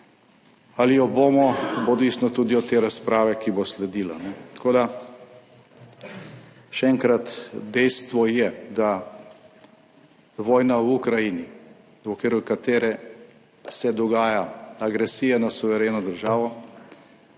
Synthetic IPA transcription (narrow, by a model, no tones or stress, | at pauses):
alijɔboːmɔbod̪isnɔt̪uːd̪iɔt̪eːɾaspɾaːʋɛkiboslɛd̪iːlanɛt̪ɐ̥koːd̪a | ʃɛɛŋkɾat̪d̪ɛjst̪ʋɔjɛd̪a | ʋɔːjnawukɾajini | ɔkʋeːɾukat̪eːɾɛ | sɛd̪ɔɡaːjaaɡɾɛsiːjɛnasuʋɛɾeːnɔd̪əɾʒaːʋɔ